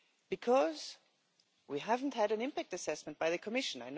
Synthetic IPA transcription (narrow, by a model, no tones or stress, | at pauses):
b̥ɨkʰʌz̥ | wiɦævn̩thɨɾɨ̃nɪ̃mpæk̚tɨsɛsmɨ̃nt̚b̥aɪðɨkʰəmɪʃɨ̃naɪn